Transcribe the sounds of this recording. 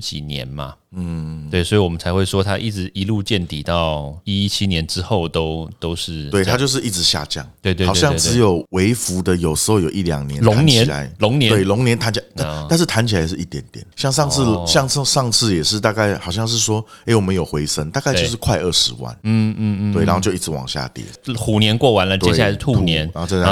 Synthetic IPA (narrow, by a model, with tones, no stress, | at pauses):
t͡ɕḭ˨˩njɛ̰˧˦nmɐ̰˨ | n̩˥˩we˥˩ɪswɔ˧˥i˨wɔ˨˩mə˦nt͡sʰa˧ɪxwe˥˩ɪʂwɔ˦t̪ʰa˥ʔi˥˩ʈ͡ʂɻ̩˧˥ʔi˧˥lu˥˧t͡ɕjɛ˥˨nt̪i˨˩t̪ɑ˥˨ʊi˥i˥t͡ɕʰi˦˥njɛ˧˦nʈ͡ʂɻ̩˦xo˥˩ʊt̪o˥ʊt̪o˥ʊʂɻ̩˥˨we˥˩ɪt̪ʰa˥t͡ɕjo˥˧ʊʂ̬̩˥˧i˥˩ʈ͡ʂɻ̩˧˥˦ɕja̰˥˧t͡ɕjɑ̰˥˩ŋt̪we˥˧t̪wjɑ˥˨ŋ˧˥˧ʈ͡ʂɻ̩˧˦jo˨˩ʊwe˧˥ɪfu˧˥d̪ə˨jo˨˩ʊʂɻ̩˧˦˥xo˥˧ʊjo˨˩i˥˩ljɑ̰˨˩ŋnjɛ˧˦nnlʊ˧˦˧ŋ˦njt͡ɕɛ˧˦n˨la̰˧˦ɪlʊ˧˥˦ŋnjɛ˦we˥˩ɪlʊ˧˥ŋnjɛ˧˥nt̪ʰa˧˥nt͡ɕʰi˨˩a˧˦t̪a˥˧t̪a˥˧nʂ̬̩˥˩t̪ʰa˧˥nt͡ɕʰi˨˩la˧ɪʂ̬̩˥˧˩i˥˩t̪jɛ˧˦nt̪jɛ̰˨˩nɕjɑ˥˧ŋʂɑ˥˧ŋsʰɹ̩˥˨ɕjɑ˥˧ŋʂɑ˥˧ʂɑ˥˧ŋsʰɹ̩˥˩jɛ˨˩ʂɻ̩˥˧t̪a˥˧ka˥˩ɪxɑ˨˩ʊɕjɑ˥˧ŋʂ̬ɻ̩˥˩swɔ˥e˥ɪwɔ˨˩mə̃˧˦njo˨˩ʊxwe˧˥ɪsə˦ŋt̪a˥˧ka˥ɪjʊʂɻ̩˥˧kʰwa˥˧ɪə˥˩ʂɻ̩˧˦wa̰˥˩n̩˥˩˥t̪we˥ɪna̰˧n˥˧t͡ɕo˥˧i˥˩ʈ͡ʂɻ̩˧wɑ̰˨˩ŋɕja̰˥˧t̪jɛ̰˨˩xu˨˩njɛ˧˥nkwɔ˥˩wa˧˥nlə˨t͡ɕ̪jɛ˥a˥˩a˧˦ʂt̪ʰu˥nɛ˧˦n˧˥˧